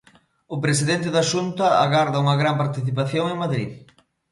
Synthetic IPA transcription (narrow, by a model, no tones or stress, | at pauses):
ʊpɾes̬iðent̪̬ɪðɐʃunt̪ɐa̰ɣaɾðɐuŋɐɣɾampaɾt̪iθip̬aθjoŋeŋmaðɾḭð